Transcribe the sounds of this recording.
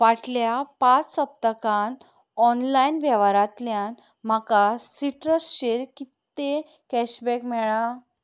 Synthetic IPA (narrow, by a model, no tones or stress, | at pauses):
ʋaʈʰljapat͡ssəp̚t̪əkan | ɔnlainʋjɛʋaɾat̪ljan | m̤akasiʈɾəsɕeɾkit̪ːe | kɛɕbɛkmɛɭa